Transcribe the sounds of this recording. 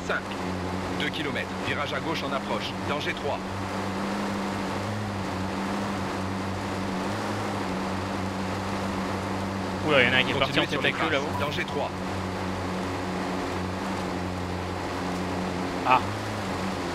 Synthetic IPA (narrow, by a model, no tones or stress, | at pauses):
sɛ̃k | d̪økʲilɔmɛt̪χviʁaʒaɡoʃɑ̃napχɔʃ | d̪ɑ̃ʒet̪χwa | ulajɑ̃naɛ̃kikɔ̃paʁt̪iĩesyʁeklølaod̪ɑ̃ʒet̪χwa | a